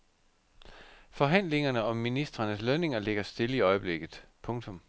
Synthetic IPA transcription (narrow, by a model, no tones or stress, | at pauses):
fɒ̽ɦæn̰le̝ŋɐnəɒ̽mːinisd̥ʁɐnəsløne̝ŋɐle̝ɡ̥ɐsd̥e̝ləiɒ̽ɪəb̥le̝ɡ̥ð̩ˠpʰɔ̽ŋt͡sʰɔ̽m